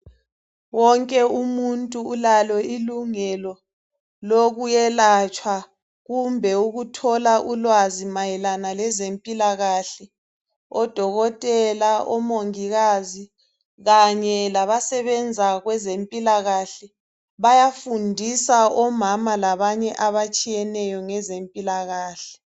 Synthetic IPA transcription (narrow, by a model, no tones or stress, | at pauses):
wɔŋkʼɛumuntʼuːlalɔiluŋɛlɔ | loɣujɛlat͡ʃʼwa | ɣumbʱɛuɣutʰɔlaʔulwazimajɛlanalɛzempʼilaɣaɬɛ | ɔd̥ʱɔɣɔtʼɛlaʔɔmoŋiɣaːzi | ɣaɲɛlaβasɛβɛnd͡zʱaɣwɛzempʼilaɣaɬɛ | βajafundʱisaɔmamalaβaɲɛʔaβat͡ʃʼijɛnɛjɔŋɛzempʼilaɣaːɬɛ̥